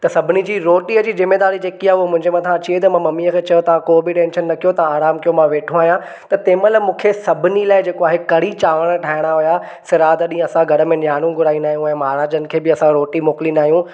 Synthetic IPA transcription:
t̪ɐsɐbʱɪnid͡ʑiːɾoːʈiəd͡ʑiːzɪmeːd̪aːɾid͡ʑeːkiaʊɦomʊ̃ɦɪ̃ɲd͡ʑemɐt̪ʰãt͡ɕiet̪̬ɐmãmɐmiːəkʰeːt͡ɕɐjot̪ɐʋãkoːbɪʈẽːnʃənːɐkʰijot̪ɐaːɾaːmkijõmãʋeːʈʰõaːɦijã | t̪ɐt̪ẽːmələmũːkʰesɐbʱɪnilaːɪd͡ʑeːkoaːɦekɐɽ̤it͡ɕaːʋəɽ̃ʈʰaːɪɽ̃aɦʊja | sɪɾaːd̪ɗĩːɐsãɡʱɐɽə̆mẽnjaːnũɡʱʊɾaːĩnd̪aːɦjũɛ̃ːmaːɾaːd͡ʑənɪ̆kʰeːbɪɐsãɾoːʈimoːkɪlinaːɦijũ

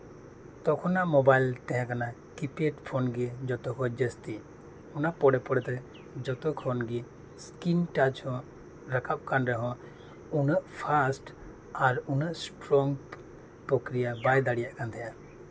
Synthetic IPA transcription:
t̪ɔkʰɔnaʔmɔbajlt̪ɛɦãkana | kipeʈpʰonɡid͡ʒɔt̪ɔkʰɔd͡ʒəst̪i | unaʔpɔɽɛpɔɽɛt̪ɛ | d͡ʒɔt̪ɔkʰɔnɡi | skinʈad͡ʒhɔ̃ | ɾakʰap̚kanɾɛɦɔ̃ | unəʔpʰasʈ | aɾunəʔsʈɾɔŋɡ | pɾɔkɾijabajd̪aɽijaʔkant̪ʰɛja

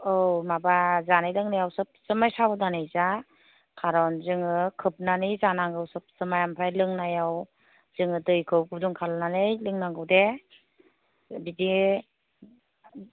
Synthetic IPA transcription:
ɯwmabazanɯjlɯŋnajawsɯp̚sɯmajsabɯdanɯjza | kʰaɾɔnzɯŋɯkʰɯp̚nanijzanaŋɡɯwsɯp̚sɯmajampʰɾajlɯŋnajaw | z̥ɯŋɯdɯjkʰɯwkʰɯduŋkʰalnanɯjlɯŋnaŋɡɯwde | bidi

